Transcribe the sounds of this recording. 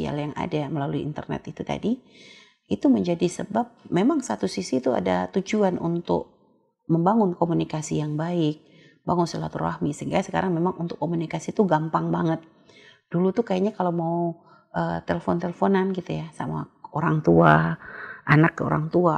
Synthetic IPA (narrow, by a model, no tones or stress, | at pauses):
ḭa̰ljaŋa̰daməlaluiḭnt̪ərnɛ̰t̪it̪ut̪a̰di | it̪uməɲd͡ʒadisəbap̚memaŋsat̪usisit̪ua̰dat̪ud͡ʒuanʔṵnt̪ʊ̰k̚ | məmbaŋʊnkomunikasijaŋbaɪk̚ | baŋʊnsəlat̪ura̰hmisəiŋɡasəka̰ɾaŋmemaŋʔunt̪ʊkːomunikasit̪uɡampaŋbaŋət̪̚ | d̥ulut̪ukajaɲakalamau | ʔət̪eləfɔnt̪elefonanɡit̪ujasa̰ma̰oɾaŋt̪ua | ʔanakːəo̰ɾa̰ŋt̪ua